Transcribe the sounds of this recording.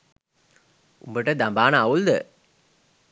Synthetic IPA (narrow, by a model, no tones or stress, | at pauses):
ṵmbəʈəd̪ambaːnəaʋuld̪ə